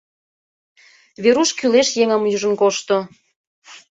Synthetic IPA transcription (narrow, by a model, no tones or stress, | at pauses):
βeɾuʃkyleʃjeŋəmjuʒə̆nkoʃt̪o